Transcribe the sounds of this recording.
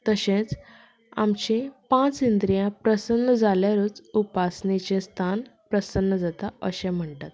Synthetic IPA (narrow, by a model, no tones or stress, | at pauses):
t̪əɕẽt͡s | a̰mt͡ɕẽpãt͡sind̪ɾijãpɾəsənːəd͡zaljaɾuːt͡supasnit͡ɕẽst̪ʰanpɾəsənːəd͡zat̪aəɕɛ̃m̤əɳʈ̪at̪